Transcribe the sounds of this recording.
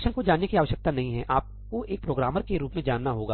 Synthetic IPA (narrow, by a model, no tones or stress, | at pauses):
ʃənkod͡ʒaːnːekiaːʋəʃjək̚t̪anɐɦĩɦɛʔaːp̚ | koʔeːk̚pɾoːɡɾaːməɾkeɾuːpmẽd͡ʒaːnːaɦoːɡaː